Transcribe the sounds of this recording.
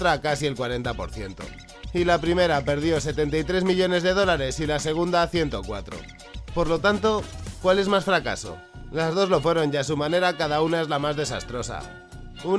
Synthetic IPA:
t̪ɾakasie̞lkwaɾe̞nt̪apo̞̰ɾθje̞nt̪o̞̰ | ilapɾime̞ɾape̞ɾð̞jo̞se̞t̪e̞nt̪ajt̪ɾe̞zmiʎo̞ne̞zðe̞ð̞o̞laɾe̞silase̞ɣ̞und̪aθje̞nt̪o̞kwa̰t̪ɾo̞̰ | po̞ɾlo̞t̪ant̪o̞kwale̞zmasfɾaka̰so̞̰ | lazð̞o̞zlo̞fwe̞ɾo̞nʝasumãne̞ɾakaðaunae̞zlamazðe̞sa̰st̪ɾo̞sa̰ | u

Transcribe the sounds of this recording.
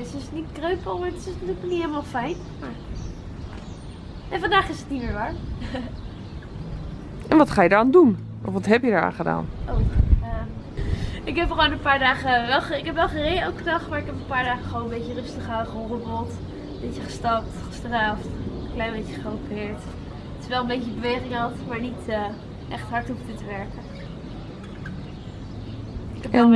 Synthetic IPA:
sɪsnitkrøɥpəlˠmaɹtɪsnatyːləknɔnitɦeɪlˠəmaːlˠfɛjn | maːɹ | ɛnfɑndaːχɪsətnimɪːɹʋaːɹ | ʔɛnʋɑtχaːjədəɹaːndun | ʔɔfʋɑtɦɛpjədəɹa̰ːχəda̰ːnʔowaː | ɪkɦɛpχʋownənpaːɹdaːχəʋɛlˠəɪkɦɛpʋɛlˠχərɪjowkχədɑχtmaːɹɪkɦɛpənpaːɹdaːχəχəʋownəmbejcərɵstəχaχərɔbəlˠt | bejcəχə̥stɑp̚tχə̥straːftəklɛjnmbejcəχərowpɪːɹt | tɪsʋɛlˠəmbejcəbəʋejχɪŋɦɑtmaːɹnitə | ʔɛχtɦɑɹtuftətəʋɛɹkə | ɪkɛpɛ

